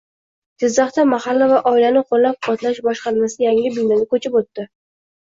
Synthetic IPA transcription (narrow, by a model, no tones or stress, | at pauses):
d͡ʒɪzːɑχt̪amaχalːavaʔɒɪlanɪqʰolːap̚qʰɒt̪laʃbɒʃqɑɾmasɪjaŋɪbɪld̪anɪkʰɵt͡ʃʰɪpot̪ːɪ